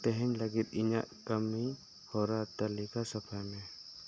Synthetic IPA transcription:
t̪ɛɦɛɲləɡit̪̚iɲaʔkəmːi | hɔɾat̪alikasɐpʰajmɛ

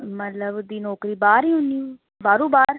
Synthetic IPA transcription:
mət̪ləbʊd̪iːnɔːkɾiːbaːɾiːɦʊnd̪iːuː | baːɾũːbaːɾ

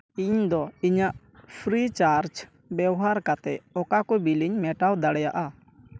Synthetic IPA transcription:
iɲd̪ɔiɲaʔ | pʰɾit͡ʃaɾd͡ʒ | bɛbɔɦaɾkat̪ɛɔkakɔbiliɲmɛʈawd̪aɽɛjaʔa

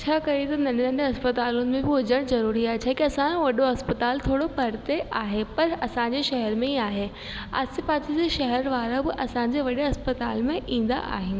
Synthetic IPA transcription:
t͡ɕʰaːkɐɾit̪ɐnɐ̃ɳɐ̃ɳɖɐspɐt̪aːlʊnɪ̆mẽbɪɦʊd͡ʑəɽ̃zɐɾuːɾiaːɦet͡ɕʰaːɦekiɐsãʋɐɗoɐspɐt̪aːlt̪ʰoːɽopɐɾt̪eʔaːɦepɐɾɐsãːɲd͡ʑeʃɐɦɛɾmẽɦiaːɦe | a̰ːsɪpaːtid͡ʑeʃɐɦɛɾʋaːɾabɪʔɐsãːɲd͡ʑeʋɐɗeɐspɐt̪aːlmẽʔĩːn̆d̪a̰ʔa̰ːɦɪn

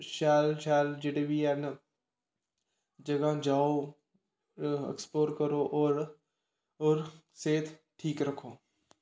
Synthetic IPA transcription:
ʃaːlʃaːld͡ʒɪɽebian | d͡ʒɐɡad͡ʒaːo | ḛksploːɾkɐɾoʔɔːɾ | oɾ | seːt̪ʰ | ʈʰiːkɾɐkʰoː

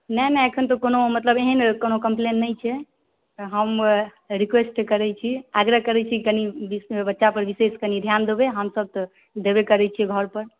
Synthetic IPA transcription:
nənɛəkʰənt̪ɔkonomət̪ləbeɦinkonokəmplenːəjt͡ʃʰɛ | ɦəm | ɾikʋesʈkəɾɛt͡ʃʰiaɡɾəɦkəɾɛt͡ʃʰikənibibətːʃapəɾbiseskənid̪ʱjand̪ebeɦəmsəb̚t̪ɔ | d̪ebekəɾɛt͡ʃʰiɛɡʱəɾpəɾ

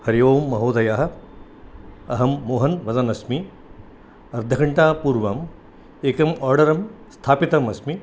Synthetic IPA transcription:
hɐɾijoːmːɐɦoːd̪ʱɐjaːɦɐ̆ | ɐɦɐmːoːɦɐnʋɐzɐnɐsmi | ɐɾd̪ʱɐkʰɐɳʈaːpuːɾʋɐm | eːkɐmɔːɾɖɐɾɐmst̪ʰaːpit̪ɐmɐsmi

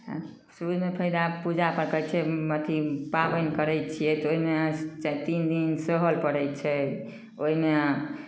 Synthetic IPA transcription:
suud͡ʒmepʰəjd̪apud͡ʒapəɾkət͡ʃʰɛmət̪ʰipabənkəɾɛjt̪̚t͡ʃʰijɛt̪oimet͡ʃat̪ind̪insəɦəlpəɽɛj̪t͡ʃʰɛ | oɦime

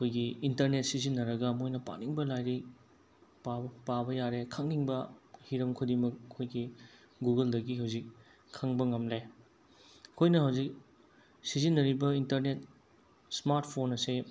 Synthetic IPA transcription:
ɐkʰojɡiintɐɾnet̚sizinːɐɾɐɡɐmojnɐpa̰niŋbɐlajɾi | papabɐjaɾekʰɐŋniŋbɐhiɾɐmkʰudimɐk̚ɐkʰojɡi | ɡuɡɐldɐɡiɦɐwzik̚ːʰ | ɐŋbɐŋɐmle | kʰojnɐhɐwzik̚ | sizinːɐɾibɐintɐɾnet̚ | smaɾtpʰonːɐse

